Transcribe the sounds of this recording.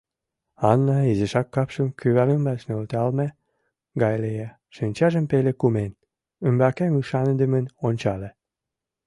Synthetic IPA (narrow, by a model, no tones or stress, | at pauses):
ɑnːɑizeʃɑkːɑpʃəmkyβæɾəmbɑt͡ɕnølt̪ɑlmæ | ɡɑjlejɑ | ʃynʲt͡ɕɑʒəmpelekumen | ymbækemyʃɑnəd̪ə̆mənonʲt͡ɕɑle